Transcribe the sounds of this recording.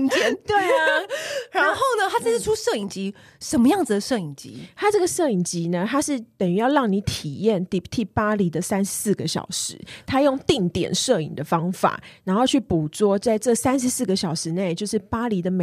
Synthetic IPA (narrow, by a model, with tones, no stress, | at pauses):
t͡ɕɛ˥˧˦nt̪we˥˩ɪ | ɻa˧˥nxo˥˩ʊnə˩˧t̪ʰa˥t͡sʰa˥ʂ̩˥˩ʈ͡ʂʰu˥ʂɤ˥˩i˨˩ŋt͡ɕi˧˥ | ʂə˧˥nmə˧jɑ˥˩ŋd͡zɨ˨d̪ə˩ʂɤ˥˩i˨˩ŋt͡ɕḭ˧˦t̪ʰa˥ʈ͡ʂɤ˥˩ɡə˩ʂɤ˥˩i˨˩ŋt͡ɕi˧˥nə˧t̪ʰa˥ʂɻ̩˥˩t̪ə˨˩ny˨˧˥jɑ˥˧ʊlɑ˥˩ŋni˧˥t̪ʰi˨˩jɛ˥˩nt̪i˥˩t̪ʰi˥˩pa˥li˧˥d̪ə˨sæ˥nʂɻ̩˧˦sɹ̩˥˩ɡə˨ɕjɑ̰˨˩ʊʂɻ̩˧˦t̪ʰa˥jo˥˧ŋt̪i˥˩ŋt̪jɛ̰˨˩nʂɤ˥˩ḭ˨˩ŋd̪ə˦fɑ˥ŋfa̰˨˩˦a˧˥nxo˥˧ʊt͡ɕʰy˥˩pu˨˩t͡swɔ˥˧t͡sa˥˧ɪʈ͡ʂɤ˥˨˩sæ˥nʂ̬ɻ̩˧˦sɹ̩˥˩ɡə˨ɕjɑ˨˩ʊʂɻ̩˧˦ne˥˩ɪt͡ɕjo˥˧ʊʂɻ̩˥˩pa˥li˧˥d̪ə˨me˨